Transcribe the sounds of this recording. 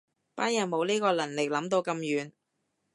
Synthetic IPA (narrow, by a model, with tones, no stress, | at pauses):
paː˥jaː˨˩nmo˨˧wliː˥kɔː˧lɐ˨˩nlɪ˨k̚lɐ˨˥mt̪o˧wkɐ˧mjyː˨˧n